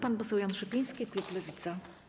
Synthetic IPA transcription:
panpɔsɛwjanʂɛpʲij̃skʲikluplɛvʲit̪sa

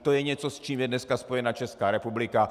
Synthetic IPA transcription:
t̪ojɛɲɛt͡sost͡ʃiːmjɛdnɛskaspo̞jɛnat͡ʃɛskaːɾɛpublɪka

